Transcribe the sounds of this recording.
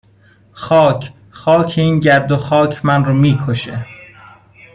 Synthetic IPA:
xɒːcʰ | xɒːcʰeiːnɟæɾd̪oxɒːcʰmænruːmiːkʰoʃḛ

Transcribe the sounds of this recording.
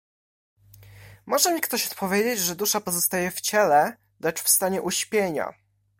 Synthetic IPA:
mɔʐɛmʲikt̪ɔɕɔ̥t̪pʰɔvʲjed͡ʑed͡ʑʐɛd̪uʂapɔzɔst̪ajɛft͡ɕɛlɛ | lɛt͡ʂfst̪aɲɛʔuɕpʲjeɲa̰

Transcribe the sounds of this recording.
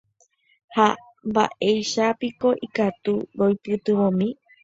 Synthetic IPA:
ha | mba̰ʔe̞jʃapiko̞ʔikat̪uɾojpɨt̪ɨʋõmĩ

